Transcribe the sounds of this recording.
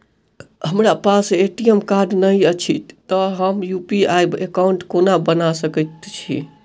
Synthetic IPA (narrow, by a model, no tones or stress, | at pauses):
ɦəmɾapaseʈiemkaɾɖnəjət͡ʃʰit̪ːəɦəmjupiajbekauɳʈkonabənasəkət̪t͡ʃʰḭ